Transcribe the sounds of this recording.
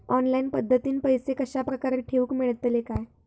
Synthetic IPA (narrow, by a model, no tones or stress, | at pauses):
ɔnlajnpəd̪ʱːət̪iːnpəjsekəɕapɾəkaɾeʈʰeuːkmeɭt̪lekaj